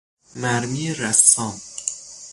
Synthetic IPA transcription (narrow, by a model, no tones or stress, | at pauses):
mæɾmiːɾæsɑːm